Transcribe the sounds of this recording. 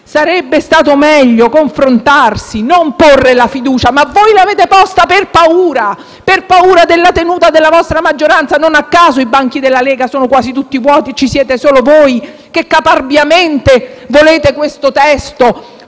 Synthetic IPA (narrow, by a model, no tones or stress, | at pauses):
saɾɛbːest̪aːt̪omɛʎːokoɱfɾont̪arsinomporːelafid̪uːt͡ʃamavːojlaveːt̪epɔst̪aperpauːɾa | perpauːɾad̪elːat̪enuːt̪ad̪elːavɔst̪ɾamad͡ʒːoɾant̪sanonakːaːzoibaŋk̟id̪elːalɛːɡasoːnokwaːzit̪ut̪ːivwɔːt̪it͡ʃisjɛːt̪esoːlovoj | kekːaparbjamɛnt̪evoleːt̪ekwest̪ot̪ɛst̪o